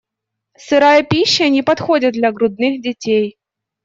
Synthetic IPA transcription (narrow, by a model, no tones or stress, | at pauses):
sɨɾajɐpʲiɕːɐnʲɪpɐt̪xodʲɪt̪̚d̪lʲɐɡɾʊd̪̚nɨxdʲɪtʲej